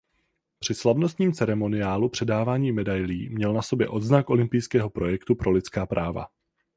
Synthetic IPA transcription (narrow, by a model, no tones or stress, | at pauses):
pr̝̥ɪslavno̞st̪ɲiːmt͡sɛɾɛmo̞nɪjaːlupr̥ɛdaːvaːɲiːmɛdajliːmɲɛlnaso̞bjɛ̰ʔo̞d̪znakʔo̞lɪmpɪjskɛːɦo̞pɾo̞jɛkt̪upɾo̞lɪt͡skaːpɾʔaːva̰